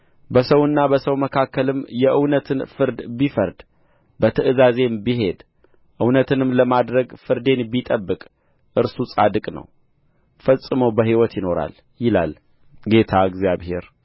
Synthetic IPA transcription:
bəsəwɨnːabəsəwməkʰakʰːəlɨmjɛʔɨwnət̪ʰɨnfɨɾd̪bifəɾd̪ | bət̪ʰɨʔɨzaze̞mbiɦe̞d̪ | ʔɨwnət̪ʰɨnɨmləmad̪ɾəɡfɨɾd̪e̞nbit̪ʼəbːɨkʼ | ʔɨɾsusʼad̪ɨkʼnə̰w | fəsʼːɨməwbəɦiwɔt̪jɪno̞ɾa̰l | jɪla̰l | ɡe̞t̪ʰaɡzjaβɦe̞ɾ

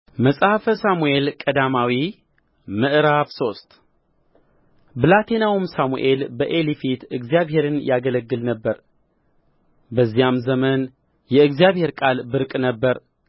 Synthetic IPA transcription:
məsʼhafəsamue̞lkʼəd̪amawi | mɨʔɨɾafso̞st̪ʼ | bɨlat̪ʰenawumsamṵʔe̞lbəʔelifit̪ɨɡzjaβhe̞ɾɨnjaɡələɡːɨlnəbːəɾ | bəzːijamzəmən | jɛɨɡzijaβhe̞ɾkʼalbɨɾkʼnəbːəɾ

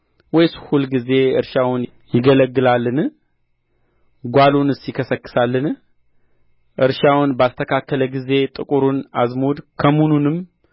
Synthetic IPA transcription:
wɔjshulɡize̞ɨ̰ɾʃawʊn | jɪɡələɡːɨlalːɨn | ɡʷalonɨsjɪkʰəsəkːɨ̥salːɨn | ʔɨɾʃawnbast̪ʰəkʰakːələɡize̞t̪ʼɨkʼuɾunazmod̪kʰəmununɨm

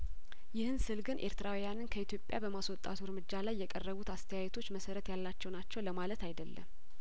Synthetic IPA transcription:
jɪhɨnsɨlɡɨnʔe̞ɾt̪ʰɨɾawijanɨnkʰəit̪ʰjo̞pʼːjabəmaswɔt̪ʼːa̰t̪ʰuɾmɨd͡ʒːalajːɛkʼərːəβut̪ast̪ʰəjajɛt̪ʰo̞t͡ʃːməsəɾət̪jalːat͡ʃːɛwnat͡ʃːɛwləmalət̪ʰajd̪əlːə̰m

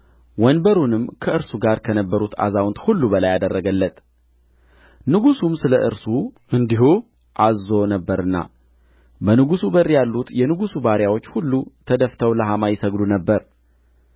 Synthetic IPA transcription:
wɔnbəɾunɨmːkʰəɨɾsuɡaɾkʰənəbːəɾut̪a̰zawʊnt̪hulːubəlajad̪ərːəɡəlːət̪ | nɨɡusumsɨləʔɨɾsuʔɨnd̪iɦu | ʔazo̞nəbːəɾɨnːa̰ | bənɨɡusubərjalːut̪jɛnɨɡusubaɾjawo̞t͡ʃːhulːut̪ʰəd̪əft̪ʰəwləɦamajɛsəɡlunəbːəɾ

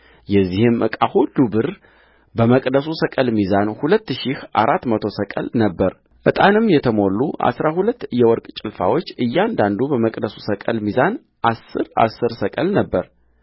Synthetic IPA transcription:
jɛzːihɨmʔɨ̰kʼahulːubɨɾ | bəməkʼd̪əsusəkʼəlmizanhulət̪ːɨʃihʔa̰ɾat̪ːmət̪ʰo̞səkʼə̰lnəbːəɾ | ʔɨt̪ʼanɨmjɛt̪ʰəmo̞lːuʔa̰sɾahulət̪ːɨjɛwɔɾkʼt͡ʃʼɪlfa̰wo̞t͡ʃːɨjːand̪and̪ubəməkʼd̪əsusəkʼəlmizan | ʔasːɨɾa̰sːɨɾsəkʼəlnəbːəɾ

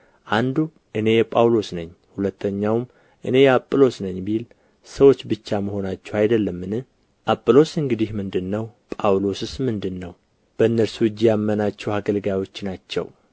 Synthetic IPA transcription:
ʔand̪u | ʔɨne̞jɛpʼawlo̞snəɲːhulət̪ʰːəɲːawm | ʔɨne̞jɛapʼːɨlo̞snəɲːbil | səwo̞t͡ʃːbɨt͡ʃːaməho̞nat͡ʃːɛwajd̪əlːəmːɨnɨh | ʔapʼːɨlo̞sɨŋɡɨd̪ihmɨnd̪ɨnːəwpʼawlo̞sɨsmɨnd̪ɨnːəw | b̥əɨnːəɾsuɨd͡ʒːijamːənat͡ʃːɛwhaɡəlɡawo̞t͡ʃːnat͡ʃːɛ̰w

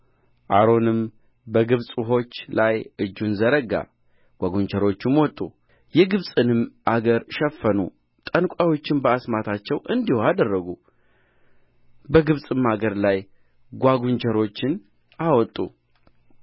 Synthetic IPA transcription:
ʔaɾo̞nɨm | bəɡɨβsʼuɦo̞t͡ʃːlajʔɨd͡ʒːunzəɾəɡa̰ | ɡ̥ʷaɡuɲt͡ʃəɾo̞t͡ʃːɪmwɔt̪ʼːṵ | jɛɡɨβsʼɨnɨmʔaɡəɾʃɛfːənṵ | t̪ʼənkʷʼawo̞t͡ʃːɪnbəasmat̪ʰat͡ʃːɛwʔɨnd̪ihoad̪ərːəɡu | bəɡɨβsʼɨmaɡəɾlaj | ɡʷaɡuɲt͡ʃəɾo̞t͡ʃːɪn | awɔt̪ʼːṵ

